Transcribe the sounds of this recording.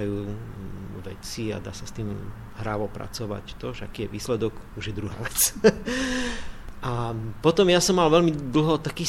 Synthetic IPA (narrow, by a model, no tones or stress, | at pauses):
ajuː | ʋɛ̰t͡sia̰d̪a̰ːsast̪iːm | ɦɾaʋɔpɾa̰t͡sɔʋa̰ct̪ɔʒɛakiːjɛʋiːslɛd̪ɔɡ | uʒjɛd̪ɾuɦa̰ːʋɛt͡s | ʔapɔt̪ɔmjasɔmːalʋɛlmid̪l̩ɦɔt̪akiː